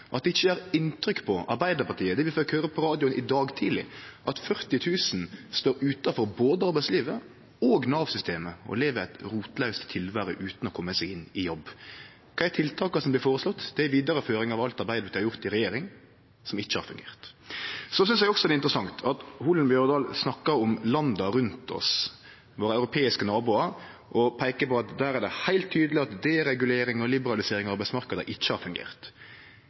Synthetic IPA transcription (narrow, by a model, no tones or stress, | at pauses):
ʔɑt̪̚d̪ɛɪçːəæːɾɪnt̪ɾʏkːpʰɔɑ̰ɾbæɪd̪əɾpɑt̪ʰiːəd̪ɛʋɪføkhøːɾəpʰɔɾɑːd̪ɪʊnʔɪd̪ɑːɡt̪ʰiːlɪ̰ʔɑt̪fœɾt̪ɪt̪ʰʉːsnst̪oːɾʉːt̪ɑfɔɾboːd̪əɑɾbæɪsliːʋə | oːɡnɑːʋsʏst̪eːməɔ̰leːʋəɾæɪt̪ɾuːt̪lœʉst̪t̪ʰɪlʋæːɾəʔʉːt̪nɔkʰɔmːəsɛɡɪnːɪjɔbː | kʰɑːɪæt̪ʰɪlt̪ʰɑːkɑsɔmblɪɾfoːɾəslɔt̪ːd̪̥ɛæɾʋiːd̪ɑɾəføːɾɪŋɑʋɑlt̪ɑɾbæɪd̪əʋ̪ɛhɑɾjʊɾt̪ɪɾɛjeːɾɪŋ | sɔmɪt͡ʃːəhɑɾfʉŋɡḛːʁt̪sɔsʏnsjɛɡɔksɔd̪ɛɪnt̪ɾəsɑŋt̪ʰɑt̪huːlənbjœɾd̪ɑːlsnɑkːɑɾɔmlɑnd̪ɑɾʉnt̪ʰɔ̰s | ʋoːɾəɑʉɾʊpʰeːɪskənɑːbʊːɑɾ | ʔɔpʰæɪkəpɔɑt̪d̪æːɾæɖ̪ɛhæɪlt̪ʰːyːd̪əlɪɑt̪d̪eːɾɛɡʉleːɾɪŋɔlɪbəɾɑlɪseːɾɪŋɔɑɾbæɪsmɑɾkəd̪ə̰ʔɪt͡ʃːəhɑɾfʉŋɡḛːɾt̪